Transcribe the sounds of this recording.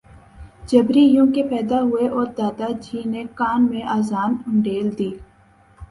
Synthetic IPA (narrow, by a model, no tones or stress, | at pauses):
d͡ʒɐbɾijũːkepɛːd̪aɦʊeʔɔːɾd̪aːd̪ad͡ʒiːnekaːnmẽʔaːzaːnʊ̃ɳɖeːld̪iː